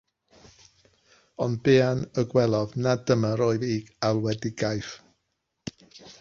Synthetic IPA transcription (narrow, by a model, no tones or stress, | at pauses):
ɔnbeːanəɡwɛlˠɔðnadəmaɾoɨðiːɡ̥alˠwɛdiɡajf